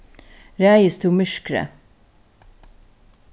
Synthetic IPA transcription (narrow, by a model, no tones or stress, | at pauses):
ɾæːjəst̪uːmʏʃkɾə̰